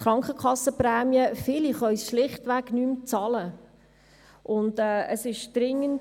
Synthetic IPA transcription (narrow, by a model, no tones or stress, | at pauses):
χɾɑŋkχəkχɑsːəprɛːmjəfɪliχœʏsʃlɪχtʋæɡnyːmt͡sɑlə | ʔʊndɛːə̰sɪʃd̥ɾɪŋːən